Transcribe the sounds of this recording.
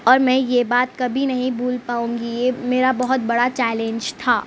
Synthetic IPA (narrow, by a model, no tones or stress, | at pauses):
ɔːɾmɛ̃ːjebaːt̪̚kɐbʱinɐɦĩbuːlpaːũːŋɡijemeːɾabɐɦʊt̪̚bɐɽat͡ʃɛːlẽɲd͡ʒt̪ʰaː